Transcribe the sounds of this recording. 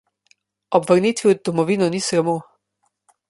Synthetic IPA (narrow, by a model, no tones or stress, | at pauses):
ɔbvəɾniːt̪ʋid̪ɔmɔviːnɔnisɾamo